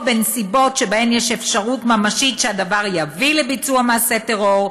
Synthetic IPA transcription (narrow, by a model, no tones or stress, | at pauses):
bensibo̞tʃebahemjɛʃefʃaʁutmamaʃitʃehad̪avaʁjavilebit͡suamaːset̪eʁo̞ʁ